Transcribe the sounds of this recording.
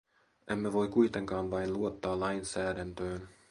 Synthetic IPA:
ʔemːeʋo̞jkujt̪e̞ŋkɑːnʋɑjnluot̪ːɑːlɑjnsæːdænt̪øːn

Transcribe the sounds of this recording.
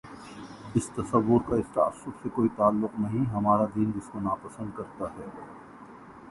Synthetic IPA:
ɪst̪ɐsɐʋːʊɾkaɪst̪a̰ːɐ̰sːʊbsekoːit̪aːlːʊqnɐɦĩɦɐmaːɾad̪iːnd͡ʒɪskonaːpɐsə̃nd̪kɐɾt̪aɦɛː

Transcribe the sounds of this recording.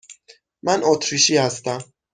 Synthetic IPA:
mænot̪ʰɾiʃiːhæst̪æm

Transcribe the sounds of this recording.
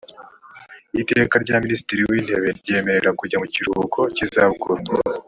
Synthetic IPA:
itekaɾɟaminisi̥tiɾiwiːnde̞βe̞ɾɟe̞ːme̞ɾe̞ɾakuɾɟamuciɾhukʰocizaβuɡuɾa

